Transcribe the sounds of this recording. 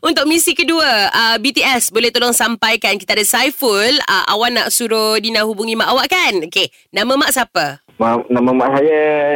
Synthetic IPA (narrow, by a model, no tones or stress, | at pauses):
unt̪ʊk̚mĩsikəduəəbit̪iɛsbolɛht̪olɔŋsampajkankit̪aːdasajfulə̰ʔa̰wanːa̰ʔsuɾodinãhubuŋĩmaʔawaʔkanoke | nãmə̃maʔsapə | manamə̃maʔsajə